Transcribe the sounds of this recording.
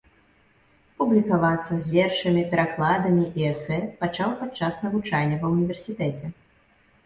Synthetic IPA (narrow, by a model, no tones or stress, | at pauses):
publʲikavat̪sːɐzʲvʲɛrʂɨmʲipʲɛɾaklˠad̪ɐmʲiʔiɛsɛpat͡ʂawpat̪̚t͡ʂːasnɐvut͡ʂalʲnʲːɐvɐwnʲivʲɛrsʲit̪ɛt͡sʲɛ